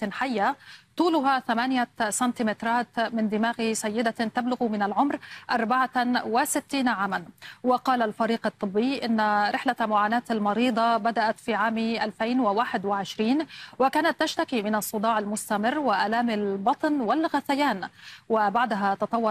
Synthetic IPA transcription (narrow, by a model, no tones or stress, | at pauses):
ħajːat̪ˤuːlʊɦaθamaːnɪjasɑnt̪imɪt̪ɾˤɑːt̪mɪnd̪ɪmaːɣsajːɪd̪at̪ablʊɣmɪnalʕʊmɾʔɑɾˤbaʕawɪsɪt̪ːiːnaʕaːmanwɪqɑːlalfaɾiːqɑt̪ˤːɨbːɪjːʔɪnːaɾʔɪħlamʊʕaːnaːt̪almɑɾiːd̪ˤɑbad̪aʔat̪fiːʕaːmʔalfajnwɪwaːħɪd̪wɪʕɪʃɾiːnwɪkaːnat̪ːaʃt̪akimɪnɑsˤːʊd̪ˤɑːʕalmʊst̪amɪrːwɪʔalaːmɪlbɑt̪ˤnwɪlɣaθajaːnwɪbaʕd̪aɦat̪ɑt̪ˤɑwːɑ